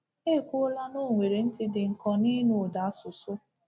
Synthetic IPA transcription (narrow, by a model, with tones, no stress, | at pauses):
e˦˨kʷʊ˦la˦nʊ˦˨ŋʷe˨ɾe˨n̩˦tɪ˦dɪ˨ŋ̩˨kɔ˦ni˦nu˨da˨a˦sʊ˨sʊ˦